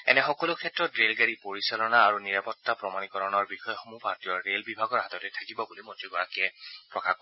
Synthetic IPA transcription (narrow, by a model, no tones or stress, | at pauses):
ɛ̰nɛxɔkɔlʊkʰɛtɹɔtɹelɡaɹipoɹisalɔnaːɹuniɹapɔtːapɹɔmanikɔɹɔnɔɹbixɔjɔxomupaɹtijɔɹɹelbibʱaɡɔɹɦatɔtɛtʰakibɔbulimɔtɹiɡɔɹakiɛpɹɔkakɔ